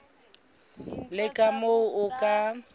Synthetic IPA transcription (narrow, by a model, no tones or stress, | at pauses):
lɪkʼamoʊʔʊkʼa